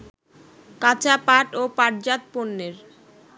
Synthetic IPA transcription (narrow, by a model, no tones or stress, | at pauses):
kat͡ɕapaʈopaʈ̚d͡ʑat̪ponːeɾ